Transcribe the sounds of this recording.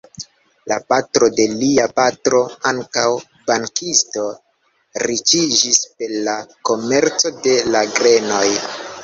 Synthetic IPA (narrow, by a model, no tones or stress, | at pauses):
lapatɾo̞de̞liapatɾo̞aŋkaw | baŋkʰisto̞ | ɾit͡ʃid͡ʒispe̞ɾlako̞me̞ɾt͡so̞de̞laɡɾe̞no̞j